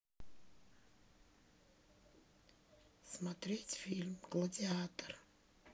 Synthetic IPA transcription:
smɐt̪ɾʲetʲfʲilʲmklˠədʲɪat̪ər

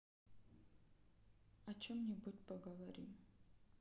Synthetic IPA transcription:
ɐt͡ʃomnʲibutʲpɐɡəvɐɾʲim

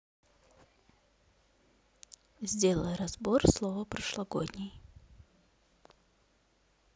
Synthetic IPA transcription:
zʲdʲe̞lˠəjəɾɐzborslˠovəpɾəʂlˠɐɡo̰dʲnʲɪj

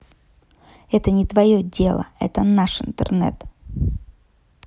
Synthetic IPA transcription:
ɛt̪ənʲɪt̪vɐjodʲelˠə̰ɛ̰t̪ənaʂɨnt̪ə̰rnɛ̰t̪

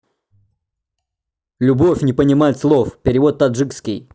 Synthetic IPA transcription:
lʲʊbofʲnʲɪpənʲɪmajɪt̪slˠofpʲɪɾʲɪvo̞t̪ːad̪ʐɨkskʲɪj

